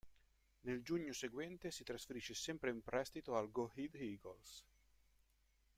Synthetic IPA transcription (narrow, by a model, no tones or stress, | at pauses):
neld͡ʒuɲːoseɡwɛnt̪esit̪ɾasfeɾiʃːesɛmpɾeimpɾɛst̪it̪oalɡohid̪iɡols